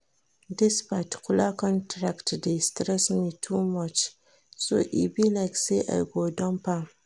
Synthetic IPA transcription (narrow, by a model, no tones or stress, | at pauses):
dɪspatkʰʊlakɔ̃ntʰɾaktdestɾɛsnitʰumat͡ʃ | so̰ʔḭbilajkseʔa̰ɡodɔ̃mpa